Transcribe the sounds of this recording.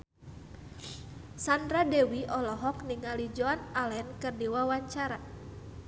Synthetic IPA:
sandɾadɛwiɔlɔɦɔkniŋalid͡ʒɔanalɛnkɨrdiwawaɲt͡ʃaɾa

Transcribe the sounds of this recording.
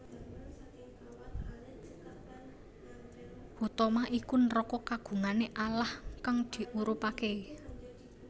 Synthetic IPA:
hut̪ɔmaʔikunɾɔkɔkaɡ̥ṳŋaneʔalahkaŋd̪̥i̤ʔuɾupake

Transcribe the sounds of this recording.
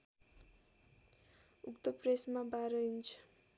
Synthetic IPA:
ukt̪ʌpresmabaɾʌint͡ʃʰu̥

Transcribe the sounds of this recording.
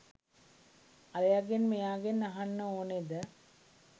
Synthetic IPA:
aɾejaɡenmejaːɡenaɦanːəoːned̪ə

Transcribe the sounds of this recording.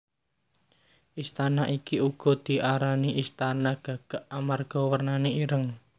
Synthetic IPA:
ʔist̪anaʔikiuɡ̥ɔ̤d̪̥i̤ʔaɾaniʔist̪anaɡ̥ä̤ɡ̥a̤ʔamarɡ̥ɔ̤wərnaneiɾəŋ

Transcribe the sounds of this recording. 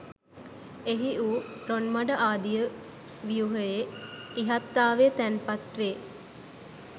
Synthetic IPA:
eɦiuːronmɐɖəʔaːd̪ijə | ʋijuɦəjeiɦat̪ːaːʋet̪ænpɐt̪ʋe

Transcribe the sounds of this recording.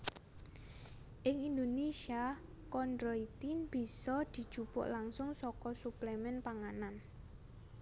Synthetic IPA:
ʔɪŋind̪onesia | kɔndɾɔit̪inb̥i̤sɔd̪̥i̤d̥ʒ̥upʊ̰ʔlaŋsʊŋsɔkɔsuplemɛnpaŋanan

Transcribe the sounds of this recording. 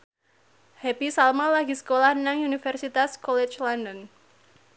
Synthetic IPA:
hɛpisalmalaɡisə̥kolahnaŋunifɛrsit̪askɔlɛt͡ʃlɔndən

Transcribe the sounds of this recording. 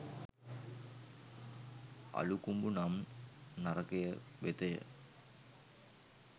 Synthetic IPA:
a̰lukumbunamnarɐkejəʋet̪ɐjə̰

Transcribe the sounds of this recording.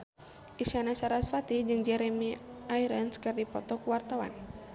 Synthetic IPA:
ʔisanasaɾasfat̪id͡ʒɨŋd͡ʒɛɾɛmiʔaiɾənskɨrdipɔ̰t̪ɔkuwart̪awa̰n

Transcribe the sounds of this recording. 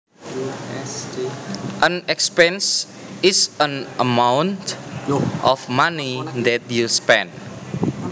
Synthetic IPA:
ʔə̃nɛkspɛ̃ns | ɪsə̃nʔə̰mãwnt | ʔɔfmanid̪ɛt̚juspɛ̰̃nd

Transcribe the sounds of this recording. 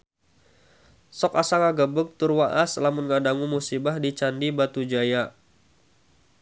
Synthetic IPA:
sɔkasaŋaɡəbək̚t̪urwaʔaslamunŋadaŋumusibahdit͡ʃandibat̪ud͡ʒaja

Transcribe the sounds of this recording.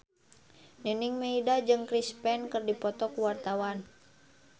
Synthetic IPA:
nəniŋmeidad͡ʒɨŋkɾispɛnkɨrdipɔt̪ɔkuwart̪awan

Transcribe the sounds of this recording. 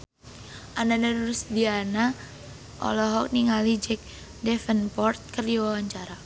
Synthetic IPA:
ʔananaduɾusdiana | ʔɔ̰lɔɦɔk̚niŋalid͡ʒɛk̚ | dɛfənpɔrt̪̚kərdiwawaɲt͡ʃaɾa

